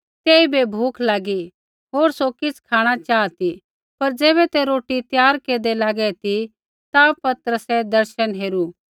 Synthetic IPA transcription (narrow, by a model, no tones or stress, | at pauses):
t̪eːibebʱuːkʰlaːɡi | ɦoːɾsokɪt͡sʰkʰaːɽ̃at͡ʃaːt̪i | pɐɾd͡zeːβɛt̪eɾoːʈit̪jaːɾkeːd̪ɛlaːɡɛt̪i | t̪apɐt̪ɾəsɛd̪ɐɾʃənɦeːɾuː